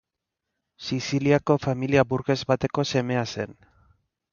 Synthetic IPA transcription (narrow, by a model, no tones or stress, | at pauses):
sisiliako̞familiabuɾɣe̞zβat̪e̞ko̞se̞me̞ase̞n